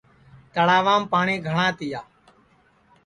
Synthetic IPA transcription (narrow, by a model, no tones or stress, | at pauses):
t̪əɽaːʋaːmpaːɳẽːɡʱəɳãːt̪ɪjaː